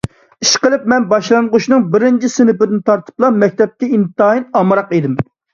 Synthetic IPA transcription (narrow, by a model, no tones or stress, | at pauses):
iʃqəlˠɨp̚mɛnbɑʃlˠɑɴʁuʃnɨŋbɪɾɪnt͡ʃʰisɪnɪpɪd̪ɪnt̪ʰɑɾt̪ʰɨ̥plˠɑmɛk̚ʲt̪ɛp̚kʲɛint̪ɑinɑmɾɑqed̪ɪm